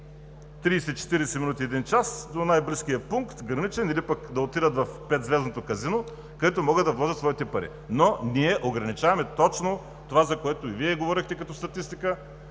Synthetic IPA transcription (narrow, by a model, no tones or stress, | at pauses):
t̪ɾiːsɛt͡ʃɛ̥t̪iɾɛsɛminut̪iɛd̪int͡ʃasd̪onajbliskijəpuŋkt̪ɡɾɐnit͡ʃɛnilipɐkd̪ɐot̪id̪ət̪vɐfpɛt̪zvɛznot̪okɐzino | kɐd̪ɛt̪omɔɡəd̪ɐvlˠɔʒɐt̪svɔit̪ɛpɐɾḭ | noniɛʔoɡɾɐnit͡ʃavɐmɛt̪ɔt͡ʃno | t̪ovazɐkoɛt̪oiviɛɡovɔɾixt̪ɛkɐt̪ɔst̪ɐt̪ist̪ikə